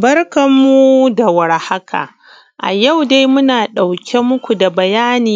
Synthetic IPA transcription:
bɐ˦rkɐ˨mːu˦da˨wɐ˨ɾha˦kʰa̰ː˨ | ʔa̰˨ja˦˨wda˦jmʊ˦naː˨ɗa˨wkʲʰe˦mʊ˦kʷu˨da˨bɐ˨jaː˦niː˨

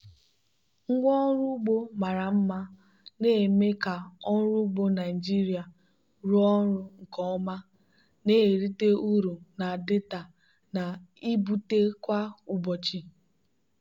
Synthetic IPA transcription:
ŋ̩˦ɡʷɔ˦ɾʊ˦ɡ͡bo˦ma˨ɾa˨m̩˦ma˦ | ne˦˨me˦ka˨ɔ˦n̩˦ɾu˦ɡ͡bo˦na˨i˨d͡ʒi˦ɾi˨a˨ | ɾu˦ɔ˦ɾʊ˦ŋ̩˨kɔ˦ɔ˦ma˦ | ne˦e˨ɾi˦te˦u˦ɾu˨na˨dɪ˦ta˨ | na˨i˦bu˦te˦kʷa˦ʊ˨bɔ˨t͡ʃi˦

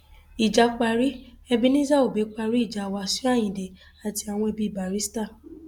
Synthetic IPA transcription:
i˨d͡ʒa˨˦k͡pa˧ɾi˦ | ɛ˧bi˦nĩ˦za˦˨o˨be˨˦k͡pa˧ɾi˦i˦˨d͡ʒa˨wa˨˧˦si˦a˦˨j̃ĩ˨de˨ | a˨ti˧a˨w̃ɔ̃˧e˧bi˧˦˨ba˨ɾi˦sta˦˨

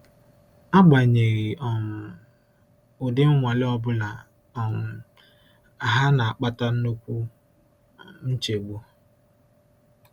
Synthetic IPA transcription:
a˦ɡ͡ba˨ɲe˨ɣɪ˨ɔ˨m̩˨ | ʊ˨dɪ˦m̩˦ŋʷa˨lɪ˦ɔ˦bʊ˦la˨ | ɔ˨mʊ˨ | a˨ɦa˦na˨a˨k͡pa˦ta˦n̩˦no˦kʷu˦ | n̩˦t͡ʃe˨ɡ͡bu˦

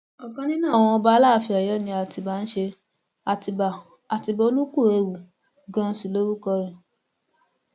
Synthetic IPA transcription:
ɔ˨kã˨˧nĩ˦nã˦ɔ˦˨w̃ɔ̃˧ɔ˧ba˧˦laː˦˨fi˧a˨jɔ˦nĩ˧a˧ti˧ba˦n̩˦ʃe˧ | a˧ti˧˨ | a˨ti˧bɔ˧o˦lu˦ku˦˨e˧wu˨ | ɡã˧n̩˦si˨lo˦ɾu˦kɔ˧ɾĩ˨

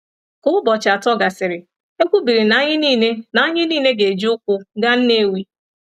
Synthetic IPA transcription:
kʊ˦ʊ˦bɔ˨t͡ʃa˨tɔ˦ɡa˨sɪ˨ɾɪ˨ | e˦kʷu˦bi˨ɾi˨na˦ɲɪ˦ni˦˨ne˦na˨˦ɲɪ˦niː˦˨ne˦ɡe˨d͡ʒi˦ʊ˦kʷʊ˦ɡa˦n̩˦ne˦˨wi˦

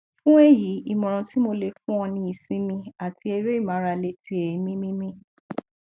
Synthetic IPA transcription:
fũ˦e˦˨ji˨˦i˨mɔ̃˨ɾ̃ɔ̃˨˧ti˦mo˧le˧fũ˦ɔ̃˧nĩ˧i˨sĩ˨˦mĩ˧a˨ti˧e˧ɾe˦i˦˨mã˨˦ɾa˧le˦˨ti˧˦e˨i˨˦mĩ˦mĩ˦mĩ˦

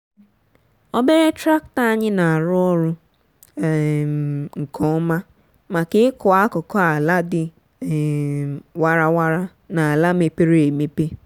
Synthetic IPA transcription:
o˦be˦ɾe˦tɾa˦k̚ta˦a˦ɲɪ˦na˨a˨ɾʊ˦ɔ˦ɾʊ˦˨ | ŋ̩˨kʰɔ˨˦ma˦ | ma˨kɪ˦ɪ˦kʊ˨a˦kɔ˨kɔ˦a˨la˦dɪ˨ | wa˦ɾa˦wa˦ɾa˦ | na˨a˨la˦me˨pe˦ɾe˦e˨me˦pe˦

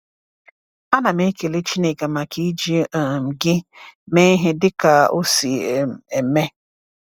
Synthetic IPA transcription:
a˦na˨me˦ke˨le˦t͡ʃi˦ne˨ɡa˨ma˨ki˦d͡ʒi˦˨m̩˨ɡɪ˦me˦ɦe˦dɪ˦ka˨o˦si˨e˨me˦

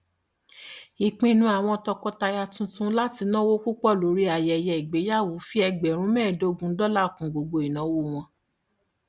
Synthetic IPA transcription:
i˨k͡pĩ˧nũ˧a˨w̃ɔ̃˧tɔ˧kɔ˧ta˧ja˧tũ˧tũ˦la˦ti˧nã˦wo˦ku˦k͡pɔ˦˨lo˨˦ɾi˦a˨jɛ˧˨jɛ˧i˨ɡ͡be˨˦ja˦˨wo˨˦fi˦ɛ˧ɡ͡bɛ˨ɾ̃ũ˦mɛ̃ː˦˨do˦ɡũ˨˦dɔ˦la˦˨kũ˨ɡ͡bo˧ɡ͡bo˧i˨nã˨˦wo˦˨w̃ɔ̃˧

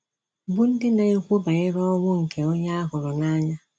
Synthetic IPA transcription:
bʊ˦n̩˦dɪ˦na˨e˦kʷo˦ba˨ɪ˦ɾɔ˦wʊ˦ŋ̩˨kʰe˨o˦ɲa˦a˦kʊ˨ɾɔ˨na˦ɲa˦

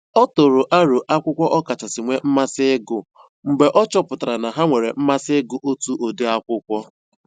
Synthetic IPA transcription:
ɔ˦tʊ˨ɾʊ˨ʔa˦ɾo˨ʔa˦kʷʊ˦kʷɔ˦ʔɔ˦ka˨t͡ʃa˨sɪ˨ŋʷe˦m̩˦ma˦sɪ˦ɪ˦ɡʊ˨ | ŋ͡m̩˨ɡ͡be˨ʔɔ˦t͡ʃɔ˦pʊ˨ta˨ɾa˨na˨ɦa˦ŋʷe˨ɾe˨m̩˦ma˦sɪ˦ɡʊ˦ʔo˦tu˦ʔo˨de˦a˦kʷʊ˦kʷɔ˦

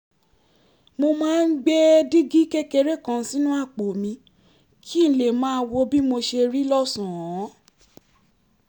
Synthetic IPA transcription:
mo˧mãː˦˧n̩˦ɡ͡be˦di˦ɡi˦ke˦ke˧ɾe˦˨kã˧˦˧sĩ˦nũ˦a˦˨k͡po˨mĩ˧ | kʰi˦n̩˦le˦˨mãː˨˦˧wo˧bi˦mo˧ʃe˧ɾi˦lɔ˦sũ˨ɔ̃˨˦

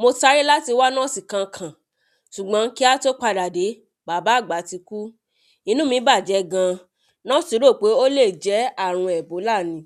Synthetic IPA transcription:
mo˧ta˧˦ɾi˦la˦ti˧wa˦nã˦˨si˨kã˧kʰã˨ | ʃu˨ɡ͡bã˨˦n˦ki˦a˦to˦k͡pa˧da˨de˨˦ | ba˨˦ba˨˦˨ɡ͡ba˨˦ti˧ku˦ | ĩ˨˧˦nũ˦mĩ˨˦ba˦˨d͡ʒɛ˧˦ɡã˧ | nã˦si˧˦ɾo˦˨k͡pe˨˦o˦le˦˨d͡ʒɛ˨˦a˦˨ɾ̃ũ˧ɛ˨bo˨˦la˦˨nĩ˨˧˦

